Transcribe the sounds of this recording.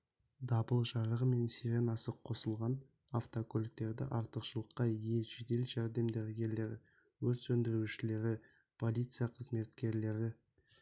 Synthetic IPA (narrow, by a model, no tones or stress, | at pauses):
d̪ɑbəlˠʒɑɾəʁəme̞nsiɾenɑsəqʰːo̞səlˠʁɑn | aft̪okʲʰɵlɪk̚t̪e̞ɾd̪ɪ̰ʔɑɾt̪əqʃəlˠəqːɑije̞ʒed̪e̞lʒæɾd̪e̞md̪eɾɡʲe̞ɾle̞ɾɪ | wɵɾsɵnd̪ɪɾuʃɪle̞ɾɪ | pʰo̞lˠijt̪sɨjaqʰəzme̞t̪kʲe̞ɾle̞ɾɪ